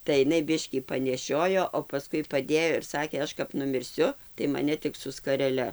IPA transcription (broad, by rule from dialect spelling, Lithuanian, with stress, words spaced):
tɐɪ ɪˈnɐɪ ˈbʲɪʃʲkʲiː pɐnʲɛˈʃʲoːjoː oː pɐˈskʊɪ pɐˈdʲeːjoː ɪr ˈsɑːkʲeː ˈɐʃ kɐp nʊmʲɪrʲˈsʲʊ tɐɪ mɐˈnʲɛ ˈtʲɪk sʊ skɐrʲɛˈlʲɛ